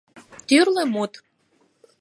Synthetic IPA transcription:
t̪yrlĕmut̪

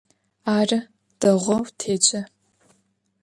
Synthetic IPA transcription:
aːrɐ | d̥ɐʁʷɔwtʰeːt͡ʃʼɐ

